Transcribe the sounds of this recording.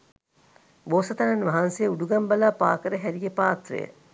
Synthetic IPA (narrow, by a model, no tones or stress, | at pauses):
boːsɐt̪ɐnɐnʋɐɦɐnsejuɖuɡɐmbɐlaːpaːkəɾəɦæɾijepaːt̪ɾḛjə̰